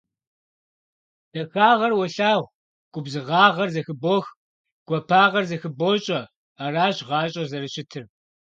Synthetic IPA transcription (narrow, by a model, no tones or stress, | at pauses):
d̥ɐxaːʁɐrwɐɬaːʁʷ | ɡ̥ʷʊbzɨʁɑːʁɐrzɐxɨboːx | ɡ̥ʷɔpʰaːʁɐrzɐxɨboːɕʼɐ | araːɕʁɑːɕʼɐzɐrɨɕɪtʰɨr